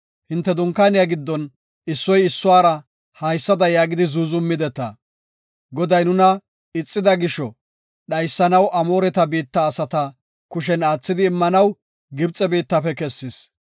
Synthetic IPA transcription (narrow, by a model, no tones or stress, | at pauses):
hɪnt̪ːɛd̪ʊŋkːaːnɪjaɡɪd̪ːɔn | ɪsːɔjɪsːʊwaːɾɐ | hɐjsːɐd̪ɐjaːɡɪd̪ɪzuːzʊmːɪd̪ɛt̪ːɐ̰ | ɡɔd̪ɐjnʊnɐ | ɪt͡sʼːɪd̪ɐɡɪʃɔ | ɗɐjsːɐnɐwʔɐmo̞ːɾɛt̪ɐbiːt̪ːɐːsɐt̪ɐ | kʊʃ̬ɛnaːt͡sːɪd̪ɪːmːɐnɐw | ɡɪbt͡sʼːɛbiːt̪ːɐfɛkɛsːɪs